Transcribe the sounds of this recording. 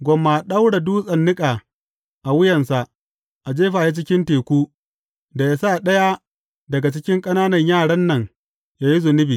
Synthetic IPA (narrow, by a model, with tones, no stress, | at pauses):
ɡʷɔ˨mːa˨ɗa˦wɽa˨duː˦sʼɐ˨nːɪ˦kʼaː˨ | ʔa˨wʊ˦jɐ˨nsa˨ʔ | ʔa˨d͡ʒeː˦ɸaː˨ji˦t͡ʃɪ˦kʲɪ˦nteː˨kʷuː˦ | da˨ja˦sa˦˨ɗɐ˦ja˦ | dɐ˨ɡa˨t͡ʃɪ˦kʲɪ˦ŋkʼɐ˦naː˦nɐ˨ɲjaː˦˨ɽɐ˦nːɐ˨ŋ | jaː˦ji˦zʊ˨nɪ˦biː˨